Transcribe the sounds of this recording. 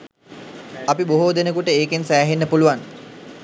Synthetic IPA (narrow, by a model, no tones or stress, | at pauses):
ɐpiboɦod̪enəkuʈəeːkensæːɦenːəpuluʋan